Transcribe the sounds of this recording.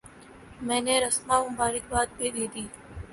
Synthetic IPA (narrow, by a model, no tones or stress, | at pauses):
mɛ̃ːneːɾəsmaːmʊmbaːɾɪk̚baːd̪̚peːd̪iːd̪iː